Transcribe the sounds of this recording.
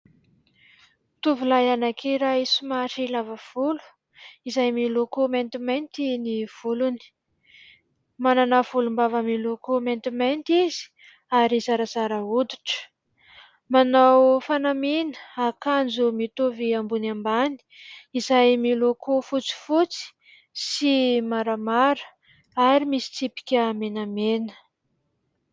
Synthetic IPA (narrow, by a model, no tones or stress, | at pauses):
t̪uvulajanakʰeɾaisumaʈ͡ʂilavav̥ulu̥ | izajmilukument̪iment̪iniv̥uluni̥ | mananav̥ulumbavamilukument̪iment̪iz̥i̥ | aɾizaɾazaɾaud̪u̥ʈ͡ʂə̥ | manawfanaminəakand͡zumit̪uviambunambani̥izajmilukufut͡si̥fut͡si̥ | simaɾamaɾə̥ | aɾimisi̥t͡sipi̥kʲəmenamenə̥